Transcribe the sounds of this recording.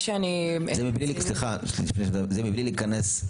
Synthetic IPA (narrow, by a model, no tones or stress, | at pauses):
ʃeanizemiblilsliχasifneʃzezemiblilikanes